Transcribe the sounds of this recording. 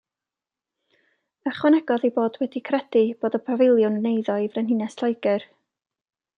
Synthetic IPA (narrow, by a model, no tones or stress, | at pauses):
əχwɛnɛɡɔðeboːdwɛdikʰrɛd̥ib̥oːdəpʰavɪlˠjʊnnejðɔivrɛnɦɪnɛsɬajɡɨr